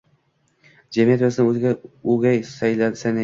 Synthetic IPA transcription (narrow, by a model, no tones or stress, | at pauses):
d͡ʒamijat̪basɪnɪɵzɪɡʲauɡʲajsajlansana